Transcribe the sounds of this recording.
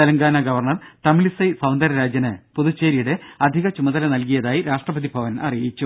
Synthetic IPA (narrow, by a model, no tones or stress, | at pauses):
ɐlɐŋɡaːnɐɡɐʋɐrɳɐrt̪ɐmilisɐjsɐwnd̪ɐɾɐɾaːd͡ʑjɐnɨpuðut͡ɕːeːɾijuɽeɐd̪ʱiɣɐt͡ɕumɐðɐlɐnɐlk̬ijɐðaːjiɾaːʂʈrɐbɐðibʱɐʋɐnɐ̰rijit͡ɕːu